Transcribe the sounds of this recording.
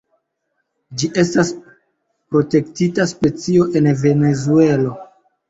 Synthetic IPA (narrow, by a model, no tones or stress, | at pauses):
d͡ʒiʔe̞stas | pɾo̞te̞ktitaspe̞t͡sio̞ʔe̞nve̞ne̞zue̞lo̞